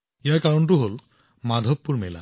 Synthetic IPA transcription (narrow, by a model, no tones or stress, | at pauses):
ijakaɹɔntuɦol | mad̪ʱɔpːuɹmɛla̰